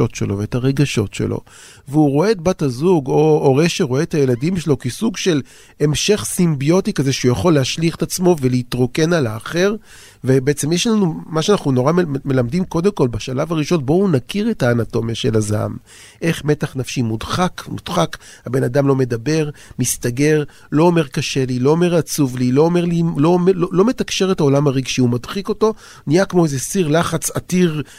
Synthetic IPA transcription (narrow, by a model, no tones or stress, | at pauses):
o̞tʃelo̞veːtaʁe̞ɡaʃo̞̰tʃḛlʔo̰ | veuʁo̞eːt̚batazuɡo̞oʁeʃeʁoeːthajeladimʃelo̞kisuɡʃe̞l | emʃe̞χsimbijo̞tikaze̞ʃeujaχo̞lːeɦaʃliχetat͡smo̞veleitʁo̞ke̞nalaːχe̞ʁ | vebeet͡semjeʃlanumaʃeanaχnuno̞ʁamme̞lamdimko̞d̪emko̞lbaʃalavaʁiʃo̞nbo̞unakiʁe̞taːnato̞mjaʃe̞laza̰m | ʔe̞χme̞taχnafʃimudχakmud̥χakhabe̞nadamlo̞me̞dabe̞ʁmistaɡe̞ʁ | lo̞ːme̞ʁkaʃe̞lilo̞ome̞ʁat͡suvliloːme̞ʁlilo̞mlolo̞me̞takʃe̞ʁethao̞lamaʁiɡʃiumadχiko̞to̞ | niakmoezesiʁlaχat͡satiʁ